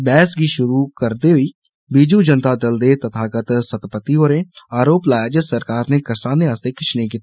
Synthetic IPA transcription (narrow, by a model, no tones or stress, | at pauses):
bɛːsɡiʃʊɾukəɾd̪eɦʊi | biːd͡ʒud͡ʒənt̪ad̪əld̪et̪ɐt̪ʰaːkət̪sət̪pət̪ːioɾẽaːɾoːplaːjaːd͡ʒət̪səɾkaːɾnekəsaːneaːst̪ekɪt͡ʃʰnek̬it̪